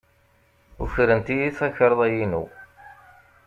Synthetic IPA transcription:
ṵçɾənt̪ijiθæçɾˤðˤæjinṵ

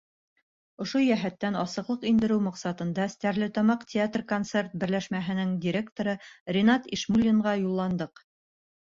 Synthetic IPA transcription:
ŏʃojæɦæt̪ːænɑsɤ̆qlˠɤqind̪ɘ̆ɾɘwmɑqsɑt̪ɤ̆nd̪ɑst̪æɾlɘt̪ɑmɑqtʲʰɪat̪rkont̪se̞rt̪̚bɘ̆ɾlæʃmæɦɘ̆nɘŋdʲiɾʲe̞kt̪oɾɤrʲɪnat̪iʃmulʲːiɴʁɑjulˠːɑnd̪ɤq

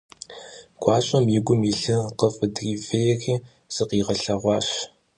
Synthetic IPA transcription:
ɡ̥ʷɑːɕʼɐmjɪɡʷʊmiɬɨqəfʼɨdriːvejɛxiː | z̥ɨqiːʁɐɬɐʁʷɑːɕ

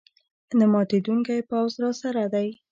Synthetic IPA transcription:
namɑt̪ed̪uŋkajpawzɾɑsaɾad̪aj

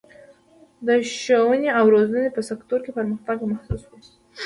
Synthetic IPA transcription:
d̪əʃowəneawɾozənepəsakt̪oɾkepəɾməxt̪aɡmahsuswe̥

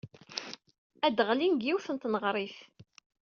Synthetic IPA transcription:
æd̪əʁlinɡjiwθənt̪nəʁɾˤiθ

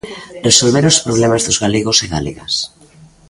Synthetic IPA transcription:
resolβeɾospɾoβ̞lemazðozɣaleɣoseɣa̰leɣa̰s

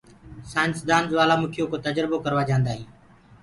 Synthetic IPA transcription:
sãːnsd̪aːnzʋaːlaːmʊkʰɪjoːkoːt̪əd͡ʒɾəboːkəɾʋaːd͡ʒãːnd̪aːɦiː

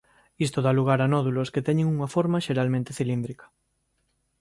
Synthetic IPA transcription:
ist̪oðaluɣ̞aɾanɔðulosket̪ɛɲẽŋuŋafoɾmaʃeɾalmẽnt̪eθilind̪ɾikɐ̥

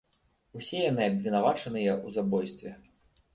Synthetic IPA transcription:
usʲɛjanɨabvʲinavat͡ʂɐnɨjɐuzabɔjst̪vʲɛ

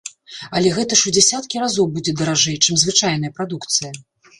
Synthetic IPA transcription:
ɐlʲɛɣɛt̪ɐʂud͡zʲɛsʲat̪kʲiɾazɔwbud͡zʲɛd̪ɐɾaʐɨɛjt͡ʂɨmzvɨt͡ʂajnɐjɐpɾad̪ukt̪sɨjɐ

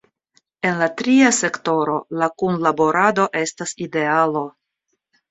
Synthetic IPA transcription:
e̞nlatɾiase̞kto̞ɾo̞lakunlabo̞ɾʔado̞ʔe̞staside̞alo̞

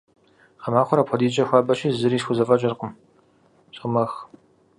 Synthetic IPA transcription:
qɐmaːχʷɔɾɐpʷʰɔdiːt͡ʃʼɐxʷɑːbɐʃizɨɾiːʃxʷʊzɐfʼɐt͡ʃʼɐrqʼəm | ɕʼʊmɐx

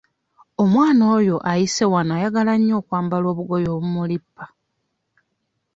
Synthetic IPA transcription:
omwaːno̞ːjo̞ʔajise̞wanaːjaɡalaɲːo̞ːkwaːmbalo̞ːβuɡo̞jo̞ːβumulipːḁ

